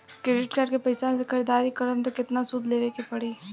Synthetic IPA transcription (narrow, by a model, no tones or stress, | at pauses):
kɾeːɖɪʈkaːɾɖkepɐɪsamẽsekʰɐɾed̪aːɾikɐɾəmt̪okɪt̪nasʊd̪ʱleːʋeːkepɐɽiː